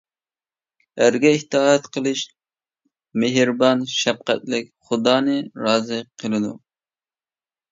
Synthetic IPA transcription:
æɾɡʲɛiht̪ʰɑːɛt̪qʰəlˠɨʃ | meɦɾbɑnʃɛp̚qæ̰t̪lɪkʲχʊd̪ɑːnɨɾɑːzɨqʰəlˠɨd̪ṵ

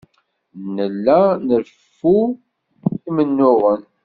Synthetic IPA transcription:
nəlːænəɾ | fu | imənːʊʁən

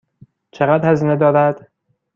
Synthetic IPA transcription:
t͡ʃʰeɣæd̪hæziːned̪ɒːɾæd̪̥

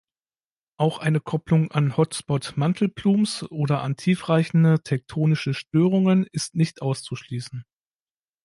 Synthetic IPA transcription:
ʔaʊxʔaɪnəkʰɔplʊŋanhɔtsb̥ɔtmantʰl̩bluːmsʔoːdɐʔa̰ntʰiːfʁaɪçn̩dətʰɛk̚tʰoːnɪʃəʃtøːʁʊŋənɪstnɪçtʔaʊst͡suʃliːsn̩

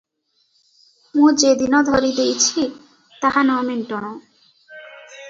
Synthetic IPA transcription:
mũd͡ʒed̪inɔd̪ʱɔɾid̪ejt͡ʃʰi | t̪ahanɔmenʈɔɽ̃ɔ

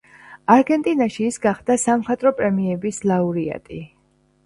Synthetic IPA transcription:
aɾɡɛnt̪ʼinaʃiːsɡaχd̪̥asamχat̪ʼɾɔpʼɾɛmiɛbislˠauɾia̰t̪ʼi

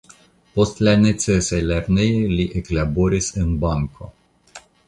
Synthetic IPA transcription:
post̪lʲanet̪sesejlɛɾnejeliʔeklaboɾisɨnbaŋkʰo̰

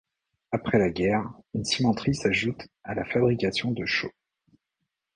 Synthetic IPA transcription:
apχɛlaɡʲɛʁynsimɑ̃t̪χisaʒut̪alafabʁikʲasjɔ̃d̪əʃo

